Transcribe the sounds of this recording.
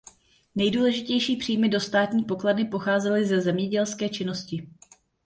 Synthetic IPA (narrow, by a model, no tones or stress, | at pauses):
nɛjduːlɛʒɪcɛjʃiːpr̥ijmɪdo̞st̪aːt̪ɲiːpo̞kladɪpo̞xaːzɛlɪzɛzɛmɲɛɟɛlskɛːt͡ʃɪno̞scɪ